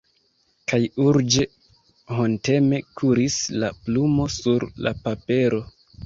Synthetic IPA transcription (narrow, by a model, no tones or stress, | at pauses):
kajuɾd͡ʒe̞ | honte̞me̞kʰuɾislaplumo̞suɾla̰pape̞ɾo̞